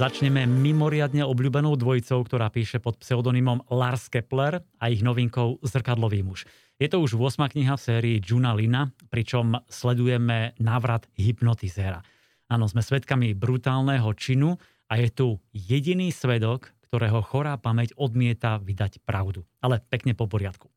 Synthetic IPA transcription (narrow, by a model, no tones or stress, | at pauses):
zat͡ʃɲɛmɛmimɔɾɪad̪ɲɛɔbʎuːbɛnɔʊd̪ʋɔjit͡sɔʊkt̪ɔɾaːpiːʃɛpɔt̪psɛɔd̪ɔnimɔmlaɾskɛplɛɾaiɣnɔʋiŋkɔʊzr̩kad̪lɔʋiːmuʃ | jɛt̪ɔuʒʋʊɔsmaːkɲiɦafsɛːɾiːd͡ʒunalinapɾit͡ʃɔmslɛd̪ujɛmɛnaːʋɾad̪̥ɦipnɔt̪izɛːɾa̰ | aːnɔzmɛsʋɛt̪kamibɾut̪aːlnɛɦɔt͡ʃinu | ajɛt̪ujɛɟiniːsʋɛd̪ɔkːt̪ɔɾɛːɦɔxɔɾaːpamɛcɔd̪mɪɛt̪aʋid̪acpɾaʊd̪u | alɛpɛkɲɛpɔpɔɾɪat̪ku̥